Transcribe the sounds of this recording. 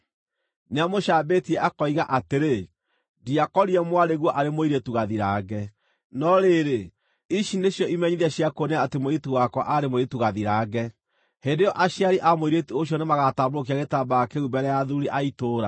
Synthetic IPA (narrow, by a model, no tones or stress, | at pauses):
neamoʃaːbetiɛʔakɔiɣaʔateɾe | diakɔɾiɛmwaɾeɣwɔʔaɾemoiɾetuɣaðiɾaːɡɛ | nɔɾeɾe | iʃineɕjɔimɛɲiðɛɕiakoneaːtemoituwakwɔʔaɾemoietuɣaðiɾaːɡɛ | hendejɔʔaɕjaɾiʔamoiɾetioɕ̬jɔnemaɣatabɾok̬iaɣetabaakeubɛɾɛjaðuɾiʔaitoːɾa̰